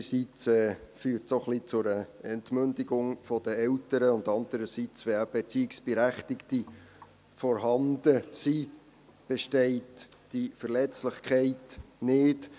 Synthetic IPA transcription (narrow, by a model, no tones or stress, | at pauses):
əsit͡sɛːfyːɾtsoχlit͡sʊɾəɛntmʏndɪɡʊŋfɔd̥əɛltəɾəʊndɑndəɾəsit͡sʋeæb̥et͡siɪksb̥eɾæχtɪkti | fɔɾɦɑnd̥əsi | b̥eʃtɛɪtd̥ifərlɛt͡slɪχkχɛɪtnɪt